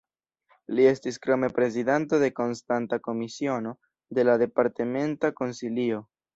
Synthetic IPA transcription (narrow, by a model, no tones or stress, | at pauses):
lie̞stiskɾome̞pɾe̞zidento̞de̞ko̞nstantako̞misio̞no̞ | d̪e̞lad̪e̞paɾteme̞ntako̞nsilio̞